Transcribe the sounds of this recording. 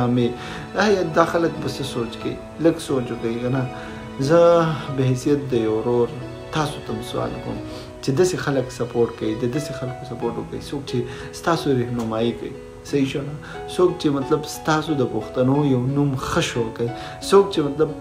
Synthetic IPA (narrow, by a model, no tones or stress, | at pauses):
aːme | ajad̪axɐlɐkbɐsesoːt͡ʃkɐ̰i | lɐɡsoːt͡ʃokɐikɐna | zɐbɐɦsijɐt̪̚d̪ɐjɐwɾoːɾ | t̪aːsut̪ɐmsua̰ːlko̰m | t͡ʃed̪ɐsexɐlɐksɐpoːɾʈkɐid̪ɐd̪ɐsexɐlkosɐpoːɾʈokɐisoːk̚t͡ʃʰe | st̪aːsoɾehnumaːikɐ̰i | sɐiʃona | soːk̚t͡ʃemɐt̪lɐbst̪aːsod̪ɐpoxt̪ɐnojɐwnumxɐʃoɾkɐi | sok̚t͡ʃemɐt̪lɐb̚